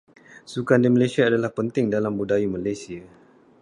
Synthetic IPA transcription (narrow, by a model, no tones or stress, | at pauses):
sukandiməlasiaːdalahpənt̪ɪŋdalambudajimalajsia